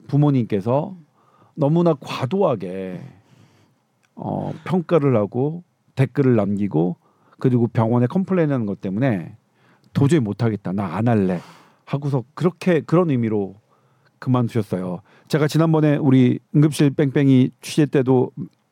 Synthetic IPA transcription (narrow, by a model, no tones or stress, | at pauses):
pumoɲink͈e̞sʰʌ | nʌmunakwadoɦaɡe̞ | ʌ̰pʰjʌŋk͈aɾɯɭhaɡo | te̞k͈ɯɾɯɭːamɡiɡo | kɯɾiɡopjʌŋwʌne̞kʰʌmpʰɯɭenanɯnŋɡʌt͈e̞mune̞ | tod͡ʑɯmotʰaɡe̞t̚t͈anaːnaɭːe | haɡos̬ʰʌkɯɾʌkʰe̞kɯɾʌnɯmiɾo | kɯmant͡ɕuɕʰʌs͈ʌjo | t͡ɕe̞ɡat͡ɕinanbʌne̞uɾiɯŋɡɯp̚ɕ͈iɭp͈e̞ŋp͈e̞ŋit͡ɕʰuɕeɭt͈e̞do